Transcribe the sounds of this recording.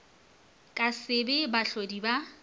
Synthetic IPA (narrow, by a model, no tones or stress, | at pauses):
kʼasɪbɪbaɬodiba